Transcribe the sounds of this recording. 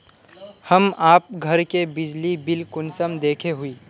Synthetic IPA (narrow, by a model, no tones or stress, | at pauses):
hɐmaːp̚ɡʱɐɾkebɪd͡ʒlibɪlkʊnsəmd̪eːkʰeɦʊiː